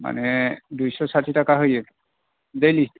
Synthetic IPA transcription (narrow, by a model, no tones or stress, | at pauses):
ma̰nɛdujsɔsatʰitakaɦojɛ | dejli